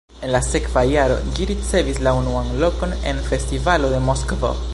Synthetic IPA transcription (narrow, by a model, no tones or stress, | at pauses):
e̞nlase̞kvajaɾo̞̰d͡ʒiɾit͡se̞vislaunuanlo̞ko̞ne̞̰nfe̞stivalo̞d̪e̞moskovo̰